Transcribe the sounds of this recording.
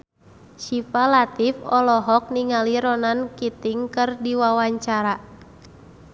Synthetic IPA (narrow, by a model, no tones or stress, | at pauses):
ʃifalat̪ifɔlɔɦɔk̚niŋaliɾɔnankit̪iŋkɨrdiwawaɲt͡ʃaɾa